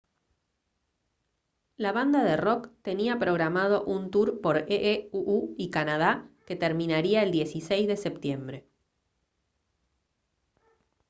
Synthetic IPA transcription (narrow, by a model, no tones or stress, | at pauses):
laβand̪aðero̞kt̪e̞niapɾo̞ɣɾamað̞o̞ʔunt̪uɾpo̞ɾeʔeuuikanað̞ake̞t̪e̞ɾmĩnaɾiae̞ld̪je̞sisejzðe̞se̞pt̪je̞mbɾe̞